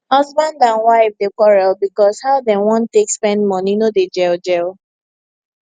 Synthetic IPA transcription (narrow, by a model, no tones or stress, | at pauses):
hɔzbãndãnwaɪvdekɔɹɛlbikɔshaʊdɛ̃nwɔ̃ntekspɛ̃ndmɔ̃ninoded͡ʒɛld͡ʒɛl